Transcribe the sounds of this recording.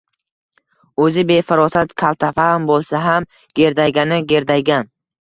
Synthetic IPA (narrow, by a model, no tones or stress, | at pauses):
ɵzɪbe̞fɪɾɒsat̪kʲʰalˠt̪ʰafambolˠsaɦam | ɡʲe̞ɾd̪ajɡʲanɪɡʲe̞ɾd̪ajɡʲan